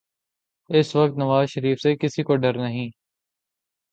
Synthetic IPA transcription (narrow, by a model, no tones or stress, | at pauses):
ɪsʋək̚t̪nɐʋaːzʃəɾiːfsekɪsikoɖɐɾnɐɦĩː